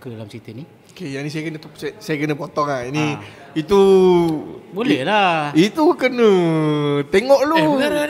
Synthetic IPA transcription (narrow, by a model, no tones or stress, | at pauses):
kədalamsit̪uni | okejaŋnisajakənəssajakənəpot̪ɔŋaini | it̪u | bolɛhlait̪ukənə | t̪eŋɔʔlo